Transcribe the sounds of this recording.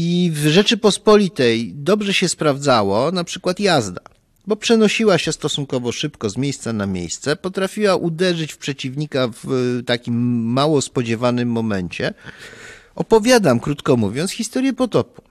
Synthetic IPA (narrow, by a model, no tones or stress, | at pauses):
ivʐɛt͡ʂɘpɔspɔlʲit̪ɛjd̪ɔbʐɛɕɛspɾavd̪zawɔnapʂɘkwat̪jazd̪a | bɔpʂɛnɔɕiwaɕɛst̪ɔsuŋkɔvɔʂɘpkɔzmʲjejst̪sanamʲjḛjst̪sɛpɔt̪ɾafʲiwaʔud̪ɛʐɘt͡ɕfpʂɛt͡ɕivɲikavt̪akʲimːawɔspɔd͡ʑɛvanɘmːɔmɛɲt͡ɕɛ | ɔpɔvʲjad̪amkɾut̪kɔmuvʲjɔnt̪sxʲist̪ɔɾʲjɛpɔt̪ɔpu̥